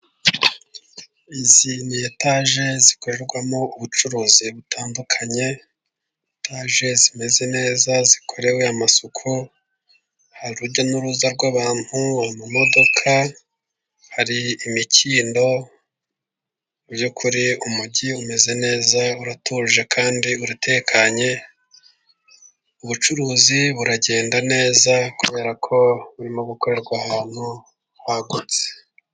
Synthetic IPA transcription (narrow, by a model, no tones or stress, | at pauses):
izinietaʒe̞zikoɾeɾɡwamo̞uβut͡ʃuɾuːziβutʰaːndukʰaɲe̞ | tʰaʒe̞zime̞ze̞ne̞ːzazikʰo̞ɾe̞weamasukʰu | haɾiɾuɾɟo̞nuɾuzaɾɡwaβaːn̥huaimumo̞do̞kʰa | haɾiːmiciːndo̞ | bjukʰuɾiumuɟiume̞ze̞ne̞ːzauɾatuːʒe̞kʰaːndiuɾate̞kʰaɲe̞ | uβut͡ʃuɾuːziβuɾaɟe̞ːndane̞ːzakuβe̞ːɾakʰo̞βuɾimoɡukoɾeɾɡwahaːn̥hu | waɡuze̥